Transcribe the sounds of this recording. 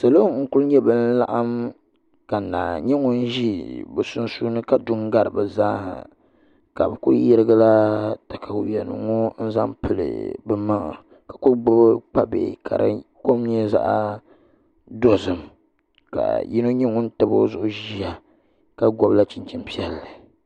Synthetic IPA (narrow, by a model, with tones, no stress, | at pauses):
sa˨lo˦ŋ̩˦kʊ˦lɲɛ˦bɨ˦n̩˦la̰˦ʔa˦m | ka˨na̰ː˨ɲɛ˦ŋʊ˦n˦ʒi˦bɛ˨sʊ˦n˦su˦nɨ˦ka˦dʊ˦ŋɡa˦ɾɨ˨bɨ˨za̰ː˦˨ | ka˨bɨ˨ku˦jɛ˦ɾɨ˦ɡa˦la˦ta˨kʰa˨˦jɛ˨nɨ̰˨ŋɔ˦n̩˦za˦mpɨ˨lɨ̰˨bɨ˦ma˦ŋ̰˨ | ka˨kʊ˦ɡ͡bɔ˦bk͡pa˦bḛ˨ka̰˨ɾa̰˦ko˦m˦ɲɛ˦za̰˦ʔa˦ | do˦zɨ˨m | ka̰˨ji˦no˦ɲɛ˦ŋʊ˦n̩˦tɨ˦bo˦zʊ˨ʔʊ˦ʒi˦a˨ | ka˦ɡɔ˦bla˦t͡ʃi˨nt͡ʃi˨mpi˦ɛ˨lːɨ˨